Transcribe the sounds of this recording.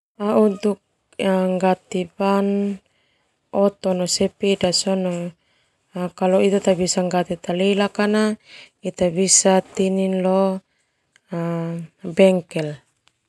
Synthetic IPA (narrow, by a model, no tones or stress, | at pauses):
aut̪uk̚ | aŋɡat̪ipan | ɔt̪ɔnɔsɛpidasɔnɔ | kalɔit̪at̪abisaŋɡat̪it̪alilakana | it̪abisat̪ininlɔ | abɛŋkɛl